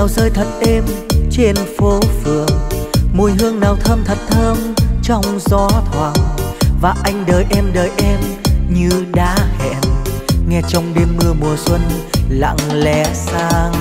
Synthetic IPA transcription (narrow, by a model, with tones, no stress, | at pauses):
aː˨˩wzəː˧jt̪ʰə˨˩t̚ʔe˧mt͡ɕe˧nfo˨˦fɨ˨˩˨əŋmu˨˩jɦɨ˧əŋnaː˨˩wt̪ʰəː˧mt̪ʰə˨˩t̚t̪ʰəː˧mt͡ɕɔ˧wŋ͡mzɔ˨˦t̪ʰwaː˨˩ŋvaː˨˩ʔa˧jŋ̟ɗəː˨˩jʔɛ˧mɗəː˨˩jʔɛ˧mɲɨ˧ɗaː˧˥hɛ̰˧˩mŋɛ˧t͡ɕɔ˧wŋ͡mɗe˧mːɨ˧əmu˨˩əswə˧nla̰˧˨ŋlɛ˧˩saː˧ŋ